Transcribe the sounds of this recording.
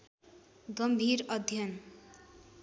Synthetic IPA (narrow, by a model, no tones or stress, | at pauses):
ɡʌmbʱiɾʌd̪ʱjʌn